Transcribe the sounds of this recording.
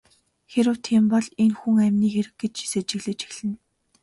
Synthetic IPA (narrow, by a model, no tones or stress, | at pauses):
xeɾɘ̆w̥t̪ʰiːmpɔɮenxuŋæmʲniːxeɾɘ̆x̚ɡet͡ɕi̥set͡ɕɪ̆ɣɮɘ̆t͡ɕi̥xɮɘ̆n